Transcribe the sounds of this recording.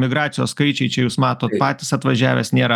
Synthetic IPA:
mʲɪɡɾɑːt̪sʲɪjoːsskɐɪt͡ʃʲɛɪt͡ʃʲɛjuːsmɑːt̪oːt̪pɑːt̪ʲɪsɐt̪ʋɐʒʲæːʋʲḛːsnʲeːɾɐ

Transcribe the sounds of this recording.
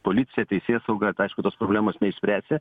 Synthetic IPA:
poːlʲɪt̪sʲɪjɛt̪ʲɛɪsʲeːsɐʊɡɐɐɪʃkʊt̪oːspɾobʲlʲæːmoːsnʲɛɪʃsʲpʲɾʲæːsʲe

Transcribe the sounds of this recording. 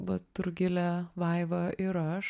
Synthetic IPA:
ʋɐt̪ʊɾɡʲɪlʲæʋɐɪʋɐʔɪɾɐʃ

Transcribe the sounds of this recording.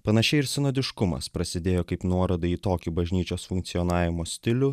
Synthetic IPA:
pɐnɐʃʲɛɪɪɾsʲɪnoːd̪ʲɪʃkʊmɐ̰spɾɐsʲɪd̪ʲeːjoːkɐɪpnuɔɾɐd̪ɐiːt̪oːkʲubɐʒʲnʲiːt͡ʃʲoːsfʊŋkt̪sʲijɔnɑːʋʲɪmoːsʲt̪ʲɪlʲʊ

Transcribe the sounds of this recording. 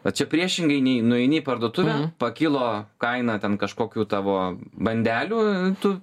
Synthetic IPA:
ʋɐtt͡ʃʲɛpʲɾʲiɛʃʲɪŋɡɐɪnʲɛɪnʊɛɪnʲɪpɐrd̪oːt̪ʊʋʲæpɐkʲɪlˠoːkɐɪnɑt̪ʲɛnkɐʃkoːkʲuːt̪ɑːʋoːbɐnʲd̪ʲæːlʲuːɪt̪ʊ

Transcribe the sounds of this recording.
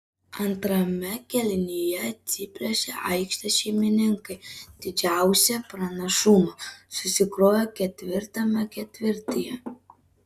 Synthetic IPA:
ɐnt̪ɾɐmʲɛkʲɛlʲɪnʲijɛt̪sʲɪpʲlʲosʲɛʔɐɪkʃt̪ɐʃʲɛɪmʲɪnʲɪŋkɐɪd̪ʲɪd͡ʒʲæˑʊsʲɛpɾɐnɐʃumɐsʊsʲɪkɾoːjokʲɛt̪ʲʋʲɪɾt̪ɐmɐkʲɛt̪ʲʋʲɪɾʲt̪ʲɪjɛ

